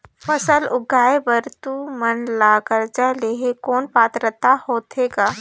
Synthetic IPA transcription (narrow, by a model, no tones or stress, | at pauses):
fəsəlʊɡʱaːebəɾt̪umənlaːkəɾd͡ʒaleːɦekoːnpaːt̪ɾət̪ahoːt̪ʰeːɡaː